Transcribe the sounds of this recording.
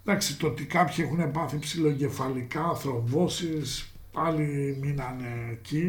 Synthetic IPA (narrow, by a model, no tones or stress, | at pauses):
ðɐksit̪oot̪ikɐpçie̞xune̞pɐθipsilo̞ɟe̞fɐlikɐːθɾo̞vo̞sis | pɐliminɐneːci